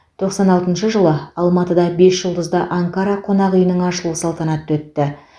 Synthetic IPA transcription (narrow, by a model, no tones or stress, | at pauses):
t̪ʰo̞qsɑnɑlˠt̪ənʃəʒəlˠəɑlˠmɑt̪əd̪ɑbe̞sʒəlˠd̪əzd̪ɑʔaŋkaɾɑqʰo̞nɑʁəjənəɴɑʃəlˠusɑlˠt̪ɑnɑt̪ːwɵt̪ːɪ